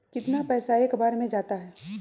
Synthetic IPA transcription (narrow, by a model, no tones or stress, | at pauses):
kɪt̪napɛːsaeːkbaːɾmẽd͡ʒaːt̪aɦɛː